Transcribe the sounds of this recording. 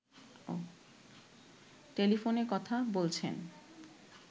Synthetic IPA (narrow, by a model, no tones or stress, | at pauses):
ʈelifoneɾkɔt̪ʰabolt͡ɕʰḛn